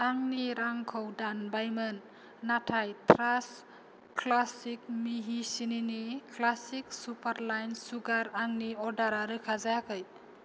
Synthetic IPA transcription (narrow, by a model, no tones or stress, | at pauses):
aŋniɾaŋkʰɔwdanbajmɯnː | atʰajtʰɾas | klasik̚miɦisininiklasiksupʰaɾlajnsuɡaɾaŋniɔdaɾaɾɯkʰazajakʰɯj